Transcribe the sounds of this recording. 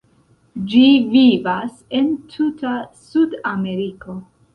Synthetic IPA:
d͡ʒivivase̞ntʰutasudame̞ɾiko̞

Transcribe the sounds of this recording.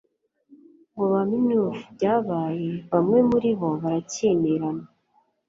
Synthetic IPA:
ŋɡoβaminuːfubɟaːβaːje̞βamŋe̞muɾiβo̞βaɾaciːneɾana

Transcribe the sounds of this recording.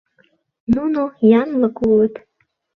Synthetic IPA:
nunojɑnlˠɤkulˠət̪

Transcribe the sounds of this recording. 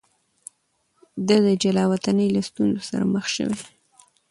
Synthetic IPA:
d̪ad̪əd͡ʒalɑwat̪anəjlast̪unzosa̰ɾa̰məxʃə̰we

